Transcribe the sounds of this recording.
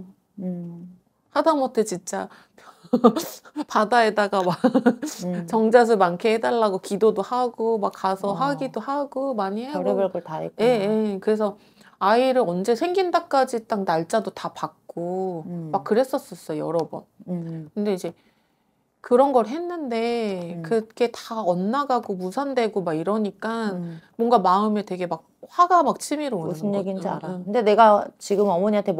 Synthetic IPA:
hadamʌtʰet͡ɕint͡ɕ͈a | padae̞daɡama | t͡ɕʌŋd͡ʑas̬ʰɯmankʰeɦedaɭːaɡokidodohaɡomakkasʰʌɦaɡidohaɡomaɲiɦeɯɭɡɭtaekje̞je̞kɯɾe̞sʰʌ | aiɾɯɾʌnd͡ʑe̞sʰe̞ŋɡindak͈ad͡ʑit͈aŋnaɭt͡ɕ͈adotapak̚k͈omak͈ːɯɾe̞s͈ʌs͈ʌs͈ʌjjʌɾʌbṵnkɯnde̞id͡ʑe̞ | kɯɾʌnɡʌɾɦe̞nːɯnde̞kɯɡe̞taʌnːaɡaɡomusʰandwe̞ɡomaɡiɾʌɲik͈anmwʌŋɡamaɯmjʌtwe̞ɡe̞mak̚ɸwaɡamak̚t͡ɕʰimiɾousɯneɡind͡ʑa̰ɾakɯnde̞ne̞ɡat͡ɕiɡɯmʌmʌɲiantʰe

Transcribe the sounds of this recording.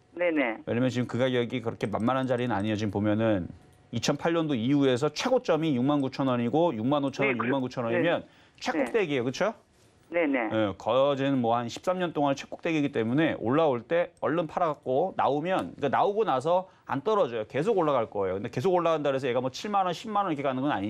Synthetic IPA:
neneweɲʌmjʌnt͡ɕiɯmkɯɡajʌɡikɯɾʌkʰe̞manmaɾɦand͡ʑaɾinɯna̰ɲiʌd͡ʑimpomjʌnɯn | it͡ɕʰʌnpʰaɭɲʌndoiue̞s̬ʰʌt͡ɕʰwe̞ɡot͡ɕ͈ʌmijuŋmankut͡ɕʰʌnʌɲiɡojuŋmanot͡ɕʰʌnʌnjukmankut͡ɕʰʌnʌɲimjʌn | t͡ɕʰwe̞k͈ok̚t͈eɡiejokɯt͡ɕʰo | nenejekʌd͡ʑinmwʌhanɕʰi̥p̚s͈amɲʌnt͈oŋanet͡ɕʰwek͈o̥k̚t͈e̞ɡiɡit͈e̞mune̞ʔo̰ɭːaoɭt͈e̞ʌɭːonpʰaɾak̚k͈ona̰omjʌnk͈anaoɡonas̬ʰʌ | a̰nt͈ʌɾʌd͡ʑʌjoke̞s̬ʰoɡoɭːaɣaɭk͈ʌejokɯnde̞ke̞s̬ʰoɡoɭːaɡandaɾes̬ʰʌje̞ɡamʌt͡ɕʰiɭmanʌnɕʰibmanʌnikʰek͈anɯnɡʌna̰ɲi

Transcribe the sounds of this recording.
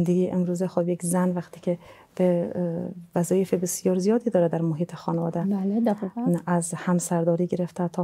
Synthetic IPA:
nd̪eɡiːʔemɾuːzexobjekʰzænvæxt̪ʰiːcʰe | b̥e | væzɒːjefebesjɒːɾzijɒːd̪iːd̪ɒːɾed̪æɾmoɦiːt̪ʰexɒːnevɒːd̪æ | æzhæmsæɾd̪ɒːɾiːɡe̞ɾeft̪ʰæt̪ʰɒː

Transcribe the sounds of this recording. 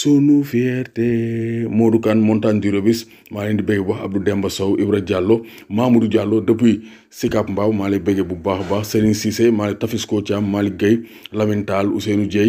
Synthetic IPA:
sonufieɾtemodukanmontandiɾobis | maːlendibeɡebaxab̚dudembɐsowʔibɾɐɟalːo | maːmuduɟalːodɐpui | sikapmbaːbmaːlebeɡebubaxbahseɾinsisemaːlitafiskot͡ʃamːaːliɡɐj | lɐmintalṵsenuɟe

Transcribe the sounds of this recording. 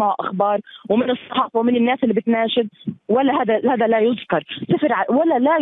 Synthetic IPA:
aʕʔa̰xbɑːɾˤwmɪnɨsˤːɑħɑːfɑwmɪnɪnːaːsʔɪlːiːbɪt̪naːʃɪd̪̚walːahad̪ahaːd̪alajʊzkɑɾˤsafɪɾʕawalːala

